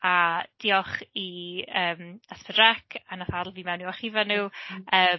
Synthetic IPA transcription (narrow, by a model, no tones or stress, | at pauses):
ad̥ɪːɔχiəːmaspʰədrɛkʰanaθadl̩ˠviːmɛwnuwaχivanuːəː